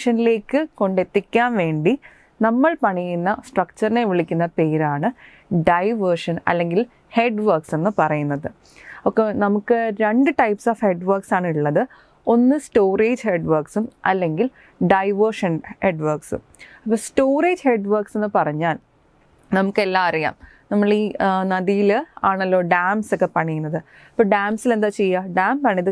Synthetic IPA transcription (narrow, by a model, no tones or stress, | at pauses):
ʂɐnile̞ːkːɨko̞ɳɖe̞t̪ːikʲːaːnʋe̞ːɳɖi | nɐmːɐɭpɐɳijunːɐsʈrɐk̚t͡ɕːɐɾineʋiɭikʲːunːɐpe̞ːɾaːɳɨ | ɖɐjʋɐrʂɐnɐ̰lːe̞ŋɡil | he̞ːɖʋɐrkse̞nːɨpɐrɐjunːɐðɨ | okːenɐmukːɨɾe̞ɳɖɨʈɐjpsoːfhe̞ɖʋɐrksaːɳiɭːɐðɨ | o̞nːɨsʈo̞ːreːd͡ʑhe̞ɖʋɐːrksumɐ̰lːe̞ŋɡil | ɖɐjʋɐrʂɐnheɖʋɐrksɨ̰ | ɐpːoːsʈoːreːd͡ʑhe̞ɖʋɐːrkse̞nːɨpɐrɐɲːaːl | nɐmukːe̞lːaːɐɾija̰ːm | nɐmːɐɭinɐðijilaːɳɐlːo̞ːɖaːmsokːe̞pɐɳijunːɐðɨ | ɐpːoːɖaːmsile̞nd̪aːt͡ɕejːaɖaːmpɐɳiiðɨ